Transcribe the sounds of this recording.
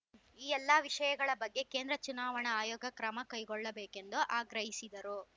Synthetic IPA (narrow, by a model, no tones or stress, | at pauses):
iːɛlːɐʋiʂɐjɐɡɐɭɐbɐɡːe̞keːnd̪ɾɐt͡ʃunaːʋɐɳɐaːjoːɡɐkɾɐmɐkɐjɡɔɭːɐbeːke̞nd̪uʔaːɡɾɐɦisid̪ɐɾu